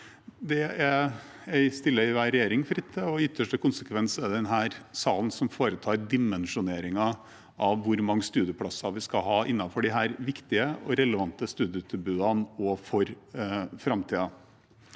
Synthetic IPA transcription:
d̪ɛææɪst̪ɪlːəɪʋæːɾɛjeːɾɪŋfɾɪt̪ʰːəɔʏt̪ʰːəʂʈəkʰʊnsəkʰʋɛnsɛd̪ɛnɦæːɾsɑːln̩sɔmfoːɾət̪ʰɑːɾd̪ɪmɛnʂʊneːɾɪŋɑ | ʔɑʋːʊɾmɑŋːəst̪ʉːd̪jəpʰɽɑsɑʋɪskɑɦɑːʔɪnːɑfɔɖɪɦæːɾʋɪkt̪ɪəɔɾɛləʋɑnt̪əst̪ʉːd̪ɪət̪ʰʉbʉːd̪ɑnɔfɔɾfɾɑmt̪ʰiːɑ

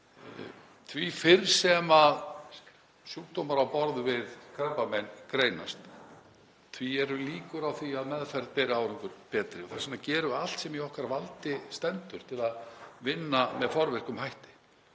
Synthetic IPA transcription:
t̪ʰvifɪɾsɛmað | sjuːk̚t̪owmaɾawpɔɾðvɪðkʰɾampamɛnːkɾeːjna̰st̪ | t̪ʰviɛɾʏliːkʏɾawθviaðmɛðfɛɾð̚pɛːɾɪaːwɾɪŋkʏɾpɛːt̪ɾɪɔθḁsanːacɛːɾʏal̥t̪sɛmjɛɔhkaɾvalt̪ɪst̪ɛnt̪ʏɾ̥t̪ʰɪlaðvɪnːamɛðfɔɾvɛr̥kʏmhajht̪ɪ̥

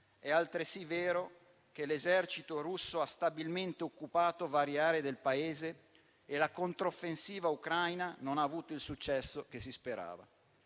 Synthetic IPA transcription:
ɛalt̪ɾesiveːɾo | k̟elezɛrt͡ʃit̪oɾusːoast̪abilment̪eokːupaːt̪ovaɾjaːɾed̪elpaeːzeː | lakont̪ɾofːensiːvaukɾajnanonaːvuːt̪oilsut͡ʃːɛsːokesispeɾa̰ːva̰

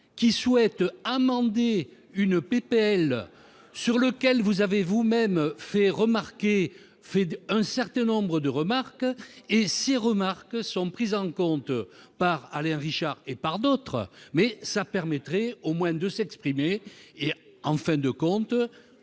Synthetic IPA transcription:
kʲiswɛt̪amɑ̃d̪e | ynəpepeɛl | syʁləkɛlvuzavevumɛmfɛʁəmaʁke | fɛɛ̃sɛʁt̪ɛ̃nɔ̃bʁəd̪əʁəmaʁkeseʁəmaʁkəsɔ̃pχizɑ̃kɔ̃t̪paʁalɛ̃ʁiʃaʁepaʁd̪ɔt̪χə̰mɛsapɛʁmɛt̪ʁɛomwɛ̃d̪əsɛkspχimeː | ɑ̃fɛ̃d̪əkɔ̃t̪

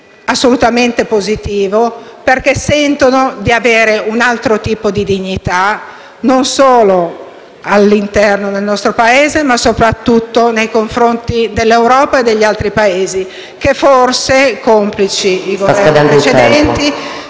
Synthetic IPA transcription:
asːolut̪ament̪epozit̪iːvoperkesːɛnt̪onod̪iaveːɾeunalt̪ɾot̪iːpod̪id̪iɲːit̪a | nonsoːlo | alːint̪ɛrnod̪elnɔst̪ɾopaeːzemasopɾat̪ːut̪ːonejkoɱfɾont̪id̪elːewɾɔːpaed̪ːeʎːialt̪ɾipaeːzi | keforsekomplit͡ʃiiɡovɛrninet͡ʃed̪ɛnt̪i

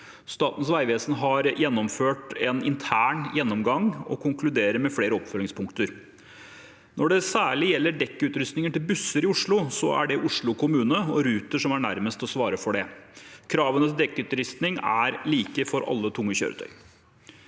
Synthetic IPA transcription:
st̪ɑːt̪n̩sʋæɪʋeːsn̩ɦɑɾjɛnːɔmføːʈɛnɪ̰nt̪ʰæːɳjɛnːɔmɡɑŋɔ̰kʰʊŋklʉd̪eːɾəɾmɛfleːɾəɔpfœlɪŋspʰʊŋkt̪əɾ | nʔɔɖɛsæːɭɪjɛlːəɖɛkːəʉːt̪ɾʏst̪nɪŋənʈ̪ɪlbʉsːəɾɪʊʂɭʊsɔæ̰ɖɛʔʊʂɭʊkʰʊmʉːnəɔɾʉːt̪əʂɔmæɳæɾməst̪ɔsʋɑːɾəfɔɖɛkʰɾɑːʋənət̪d̪ɛkːʉt̪ɾʏst̪nɪŋæɾliːkəfɔɾʔɑ̰lːət̪ʰʊŋːəçø̰ːɾət̪ʰœ̰ʏ

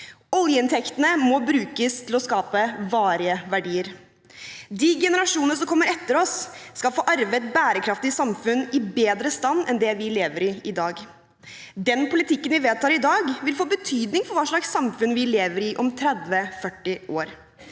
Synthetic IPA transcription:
ɔljəɪnt̪ʰɛkt̪ənəmɔbɾʉːkəst̪ʰɪlɔskɑːpəʋɑːɾɪəʋæɖiːəɾ | d̪iːɡɛnəɾɑʂuːnənəsɔmkʰɔmːəɾɛt̪ːəɾɔsːkɑlfoːʔɑɾʋət̪̚bæːɾəkʰɾɑft̪ɪsɑmfʉnːɪbeːd̪ɾəst̪ɑnːɛnd̪ɛʋɪleːʋəɾɪɪd̪ɑːɡ | d̪ɛnpʰʊlɪt̪ʰɪkːənʋɪʋeːd̪̚t̪ɑːɾɪd̪ɑːɡʋɪlfoːbət̪ʰyːd̪nɪŋfɔɾʋɑːʂɭɑksɑmfʉnʋɪleːʋəɾɪʔɔmt̪ʰɾɛd̪ʋəfœʈːɪʔoːɾ

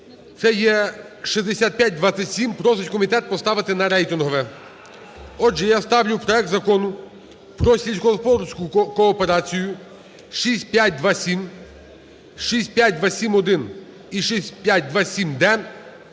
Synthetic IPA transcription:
t̪sɛjɛ | ʃizd̪esʲat̪̚pʲjat̚ʲd̪ʋɑt̪sʲɐtʲsʲimpɾɔs̬ɪt͡ʃʲkɔmʲit̪ɛt̪̚pɔst̪ɑʋɪt̪ɪnɐɾɛjt̪ɪnɦɔʋɛ | ɔd͡ʒɛjast̪ɑwlʲʊwpɾɔɛk̚t̪zɐkɔnʊ | pɾɔsʲilʲsʲkɔɦɔspɔɾʲsʲkʊkɔːpeɾɑt͡sʲijʊ | ʃisʲt̚ʲpʲjat̚ʲd̪ʋɑsʲim | ʃisʲt̚ʲpʲjat̚ʲd̪ʋasʲimɔd̪ɪn | iʃisʲpʲjatʲd̪ʋɑsʲimd̪ɛ

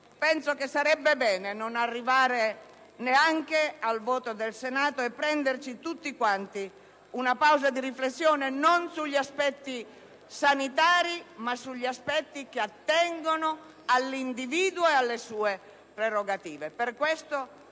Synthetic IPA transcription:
pɛnsokesːaɾɛbːebɛːnenonarːivaːɾe | neaŋkealvɔːt̪od̪elsenaːt̪oɛpːɾɛnd̪ert͡ʃit̪ut̪ːikwant̪i | unapawzad̪iriflesːjɔːnenonsuʎːiaspɛt̪ːi | sanit̪aːɾimasuʎːiaspɛt̪ːikeat̪ːɛŋɡono | alːind̪iviːd̪woealːesuːe | pɾeroɡat̪iːveperkwest̪o

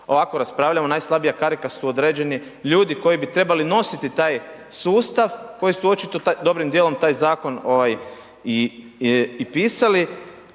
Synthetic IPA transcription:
o̞ʋako̞ɾaspɾaːʋʎamonajslˠabijakaɾikasuod̪ɾeːd͡ʑe̞ni | ʎuːd̪iko̞jibit̪ɾe̞balino̞sit̪it̪aːjsuːst̪aʋko̞jisuo̞t͡ʃit̪ot̪ad̪o̞bɾimd̪jeːlˠo̞mt̪aːjzaːko̞no̞ʋaj | iː | piːsali

